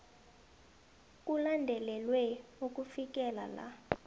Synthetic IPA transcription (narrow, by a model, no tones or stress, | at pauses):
k̬ʼulandʱɛlɛlwɛok̬ʼufik̬ʼɛla̰la̰